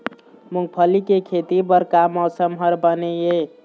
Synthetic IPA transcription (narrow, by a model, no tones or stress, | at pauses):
muŋɡ̚pʰəlikekʰet̪ibəɾkamɔsəmɦəɾbənɛje